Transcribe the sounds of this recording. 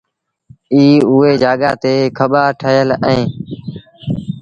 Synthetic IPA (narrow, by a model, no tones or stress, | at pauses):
iːʊːeːd͡ʒaːɠaːt̪eːkʰəɓaːʈʰəjələẽː